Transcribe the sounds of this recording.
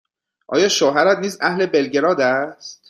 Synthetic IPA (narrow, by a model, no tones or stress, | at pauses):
ʔɒ̰ːjɒːʃoɦæɾæt̪niːzæhle̞be̞lɟe̞ɾɒːd̪æst̪